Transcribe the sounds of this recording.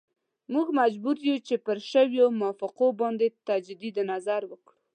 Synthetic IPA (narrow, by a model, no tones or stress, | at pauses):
muɡmad͡ʒbuɾjut͡ʃepəɾʃəwjomʊɑfɪqobɑnd̪et̪ad͡ʒd̪id̪nazaɾwəkɽu